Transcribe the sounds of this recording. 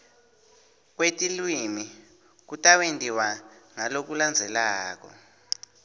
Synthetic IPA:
k̬wetʼilwimi | k̬utʼawentʼiwaŋalok̬uland͡zʱɛlaːk̬ɔ̰

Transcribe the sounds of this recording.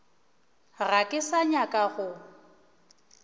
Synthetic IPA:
ɣakʼɪsaɲakʼaɣʊ

